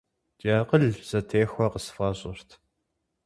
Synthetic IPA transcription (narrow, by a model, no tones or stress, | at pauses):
t͡ʃʼaːqəɮz̥ɐtʰeːxʷɐqəsfaːɕʼɪrtʰ